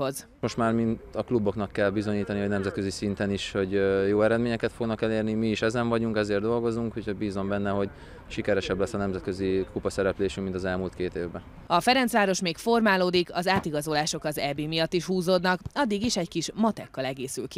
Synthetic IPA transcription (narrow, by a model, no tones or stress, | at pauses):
o̞z | mo̞ʃt̪maːrmint̪ɒklubo̞knɒkːɛlbizo̞ɲiːt̪ɒnihonɛmzɛt̪̚kø̞zisint̪ɛniʃho̞ɟjoːɛɾɛd̪meːɲɛkɛt̪fo̞ɡnɒkɛleːrnimiːʃɛzɛɱvɒɟuŋkɛzeːrd̪o̞lɡo̞zuŋkhuchoɟbiːzombɛnːɛɦo̞ɟ | ʃikɛɾɛʃɛblɛsːɒnɛmzɛt̪̚kø̞zikupɒsɛɾɛpleːʃymmint̪ɒzɛlmuːlt̪keːt̪eːvbɛ | ɒfɛɾɛnsʋaːɾo̞ʃmeːkfo̞rmaːloːd̪ikʰɒzaːt̪iɡɒzo̞laːʃo̞kɒzɛbiːmijɒt̪ːiʃhuːzoːd̪nɒkɒd̪ːiɡiʃɛɟkiʃmɒt̪ɛkːɒlɛɡeːsylki